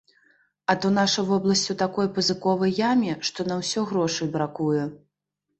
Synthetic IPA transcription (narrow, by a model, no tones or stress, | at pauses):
ɐt̪ɔnaʂɐvɔblˠɐsʲt͡sʲut̪akɔjpɐzɨkɔvɐjjamʲɛʂt̪ɔnɐwsʲɔɣɾɔʂɐjbɾakujɛ